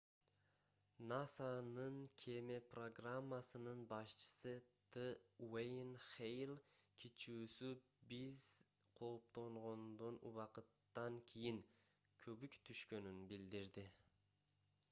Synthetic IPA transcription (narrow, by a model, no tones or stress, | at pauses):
nasanɯŋkʲʰemepro̞ɡramːasɯnɯnbɑʃt͡ʃɯ̥sɯt̪ʰɨwejnχejlˠkʲʰit͡ʃuːsy | biz | qʰo̞p̚t̪o̞ɴʁo̞nd̪onṵβɑqɯt̪ːɑŋkʲʰijiŋ | kʰøβykt̪ʰyʃkø̞nynbild̪iɾd̪i